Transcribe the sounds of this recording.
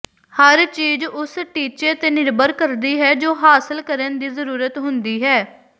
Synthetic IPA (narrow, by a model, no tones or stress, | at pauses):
həɾt͡ʃiːzʊsʈiːt͡ʃet̪eːnɪɾbəɾkəɾd̪iːɦɛːd͡ʒoːɦaːsəlkəɾənd̪iːzəɾuːɾət̪ɦʊnd̪iːɦɛː